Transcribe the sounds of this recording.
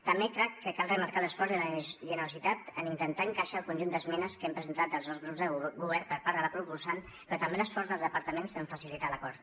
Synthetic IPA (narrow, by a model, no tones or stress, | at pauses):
t̪əmbekɾɛkːəkalrəmaɾkaləsfɔɾzðələʒənəɾusit̪at̪ənint̪ənt̪aəŋkaʃaəlˠkunʲʒund̪əzmɛnəskɛmpɾəzənt̪at̪̚əlˠzðowzɣɾupzðəɡuβɛɾpəɾpaɾðələpɾubusan | pɾɔt̪əmbeləsfɔrzðəlˠðəpəɾt̪əmensəɱfəsilit̪aləkɔɾt̪